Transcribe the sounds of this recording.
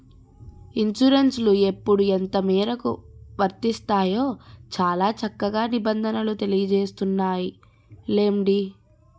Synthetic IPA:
iɲt͡ʃuɾenslue̞pːuɽuent̪ɐmiːɾɐkṵʋɐɾt̪ist̪aːjo̞ːt͡ʃaːlaːt͡ʃɐkːɐɡaːnibɐnd̪ʱɐnɐlut̪e̞lijɐd͡ʒe̞ːst̪unːaːji | leːmɖi

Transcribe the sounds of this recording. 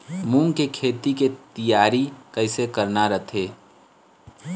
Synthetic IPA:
mũŋkekʰeːt̪iket̪əjaːɾikəɪsekəɾnaɾət̪ʰeː

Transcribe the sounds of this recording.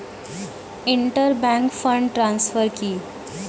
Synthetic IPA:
iɳʈəɾbæ̃ŋkfəɳɖʈɾãnsfəɾkiː

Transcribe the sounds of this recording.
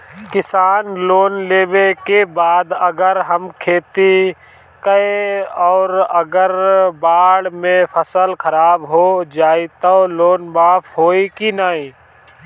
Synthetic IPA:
kɪsaːnloːnleːbekebaːd̪əɡəɾɦəmkʰeːt̪i | kəeɔːɾəɡəɾbaːɽmẽpʰəsəlkʰəɾaːbɦod͡ʒaːit̪oloːnbaːfɦoːikinaːĩː

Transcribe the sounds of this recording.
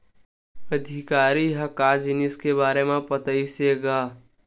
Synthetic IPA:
əd̪ʱɪkaːɾiɦɐkaːd͡ʒɪnɪskebaːɾemẽpət̪əiseɡaː

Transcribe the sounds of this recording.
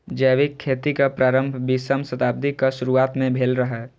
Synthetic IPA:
d͡ʒəːʋikʰːeːt̪ikapɾaːɾə̃mbʱbisəmsət̪aːb̚d̪ikaʃʊɾuaːt̪mẽbʱeːlɾəɦɛː

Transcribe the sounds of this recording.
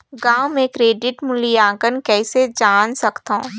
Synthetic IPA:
ɡaːʊmẽkɾeːɖɪʈmʊlijaːɡənkɛːsed͡ʒaːnsɐkt̪õː

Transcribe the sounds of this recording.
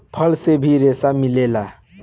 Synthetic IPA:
pʰʌlsebʱiɾesamilela

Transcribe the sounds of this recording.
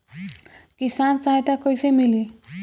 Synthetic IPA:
kisant͡sajʈakʌjsemili

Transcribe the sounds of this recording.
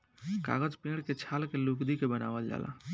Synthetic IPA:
ka̰ɡəd͡ʒpẽːɽket͡ʃʰaːlkelukd̪ikebəna̰ːʋəld͡ʒa̰ːlʔa̰

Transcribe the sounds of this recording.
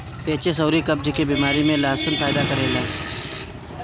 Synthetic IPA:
peːt͡ʃesoːɾikɐb̚d͡ʒkibiːmaːɾimẽlaːsʊnpaːjd̪akɐɾelaː

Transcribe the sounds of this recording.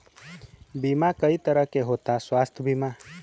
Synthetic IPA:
bimakəit̪əɾəɦkeɦot̪aswaːst̪ʰbima

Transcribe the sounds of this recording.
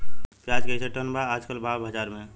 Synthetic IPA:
pjaːd͡ʒkesəʈənbaaːd͡ʒkəlbaːbʱəd͡ʒaːɾmẽ

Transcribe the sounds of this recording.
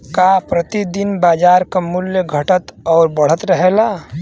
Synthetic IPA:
kapɾət̪id̪inbaːd͡ʒaːɾkamʊljəɡʱəʈət̪ɔːɾbəɽ̤ət̪ɾəɦela

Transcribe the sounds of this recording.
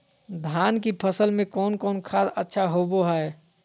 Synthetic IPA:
d̪ʱaːnkipʰəsəlmẽkɔːnkɔːnkʰaːsətːʃʰaɦoboɦɛ

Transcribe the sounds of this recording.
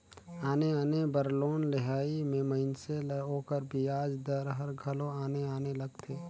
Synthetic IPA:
aːneaːnebəɾloːnlɪɦaːimẽməɦɪnseloːkəɾbʱiaːd͡ʒd̪əɾɦəɾɡʱɐlõaːneaːnelɐɡt̪ʰeː

